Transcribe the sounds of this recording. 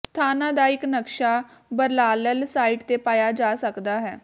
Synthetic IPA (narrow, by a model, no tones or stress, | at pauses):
st̪ʰaːnãːd̪aːɪknəkʃaː | bəɾlaːləlsaːiːʈt̪eːpaːjaːd͡ʒaːsəkd̪aːɦɛː